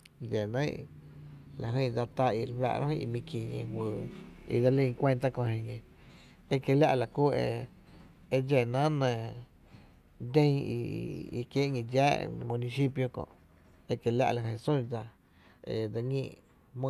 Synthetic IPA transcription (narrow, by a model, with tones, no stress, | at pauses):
d͡ʒe˨nə̃˦ | la˨ɦə̃˧˨˧d͡za˧t̪a˧i˧ɾwa̰˧ʔɾã̰˦hə̃˦˧i˧mĩ˧kĩ˧˨ɲḛ̃˧˨ɦwɨː˧˨ḭ˧da˧lĩ˧kʷẽ˧nt̪a˦˧kõ˧hĩ˧ɡẽ˧ | e˦ke˧lʲja̰˦ʔla˨ku˦ḛ˧ | e˧d͡ʒe˨nã˦nə̃˨ | d̪ẽ˦˧˦ḭ˧i˧kje˦ʔŋĩ˧˨d͡ʒa̰ː˦mũ˧nĩ˧si˦pjo˧kõ̰˧˨ʔ | e˧ke˧˨lʲa̰˧ʔla˧˨ɦə̃˧sũ˦˨d͡za˧ | ḛ˧da˧ŋḭ̃ː˧˨ | mɨ̃˧